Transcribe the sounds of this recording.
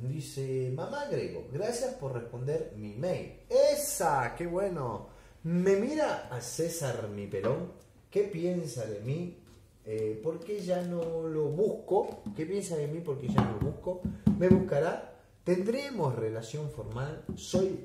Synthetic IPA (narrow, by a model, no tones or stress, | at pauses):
d̪isemãmaɣɾeɣo̰ɣɾasjaspoɾrespo̞nd̪eɾmimejlesakeβweno | memiɾaːsesaɾmipeɾoŋ | kepjensaðemi | epoɾkeʒanoloβuhkokepjensaðemipoɾkeʒanolo̰βuhkomeβuhkaɾa | t̪end̪ɾemosrelasjo̞ɱfoɾmalsoj